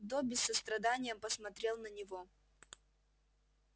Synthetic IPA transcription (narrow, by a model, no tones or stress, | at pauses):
d̪obʲɪsːəst̪ɾɐd̪anʲɪjəmpəsmɐt̪ɾʲe̞lˠnənʲɪvo